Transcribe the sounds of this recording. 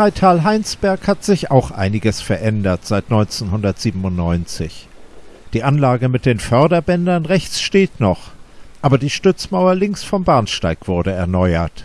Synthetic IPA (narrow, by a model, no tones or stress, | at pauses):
aɪtʰaːlɦaɪnsb̥ɛɐkhatz̥ɪça̰ʊxʔa̰ɪnɪɡəsfɛɐʔɛndɐtz̥aɪtnɔʏnt͡senɦʊndɐtz̥iːbm̩ʊntnɔʏnt͡sɪçd̥iːʔanlaːɡəmɪt̚d̥eːnfœɐdɐbɛndɐnʁɛçt͡sʃteːtnɔχʔaːbɐdiːʃtʏt͡smaʊɐlɪŋksfɔmbaːɐnʃtaɪkv̥ʊɐdəɛɐnɔʏɐt